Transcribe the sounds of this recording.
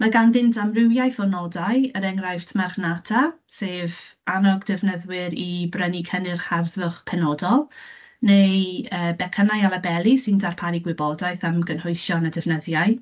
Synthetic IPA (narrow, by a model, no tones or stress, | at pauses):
maɡanðɪntʰamrɪwjajθɔnɔdajəɾɛŋrajftʰmarχnatʰaseːvanɔɡdɪvnəðwɪɾibrənikʰənɪrχarðʊχpʰɛnɔdɔlˠ | nejəːbɛkʰənajalˠabɛlˠisɪndarpʰaɾiɡwɪbɔdajθamɡənhʊɨsjɔnədɪvnəðjaɨ